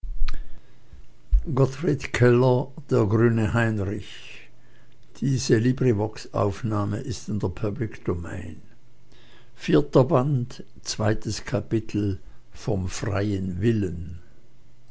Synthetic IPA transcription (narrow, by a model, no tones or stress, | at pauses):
ɡɔtʁ̥itkʰɛlɐd̥eːɐɡʁyːnəhaɪnʁɪç | d̥iːzəliːbʁivɔksʔa̰ʊfnaːməʔɪstɪndeːɐpʰablɪkd̥omɛ̰ɪn | fiːɐtɐbant | t͡sv̥aɪtəskʰapɪtʰl̩ | fɔmfʁa̰ɪənvɪlən